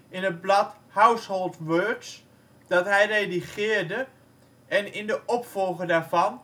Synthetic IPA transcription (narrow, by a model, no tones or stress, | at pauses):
ɪnət̚blɑt | hœwsholˠtʋøːɹts | d̥ɑtɦɛjrejdiχɪːrdə | ɛnɪndəʔɔpfɔlˠχədaːɹvɑn